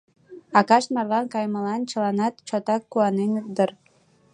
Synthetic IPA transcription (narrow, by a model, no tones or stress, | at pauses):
ɑkɑʃt̪mɑrlɑnkɑjməlɑnt͡ɕə̆lɑnɑt̪t͡ɕot̪ɑkːuɑnenup̚d̪ər